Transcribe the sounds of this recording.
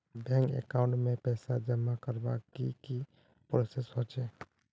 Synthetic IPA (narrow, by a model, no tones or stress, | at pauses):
bɛ̃ŋkḛkaʊ̃ɳʈmẽpɛːsad͡ʒəmakəɾbakiki | pɾosesɦot͡ʃʰɛː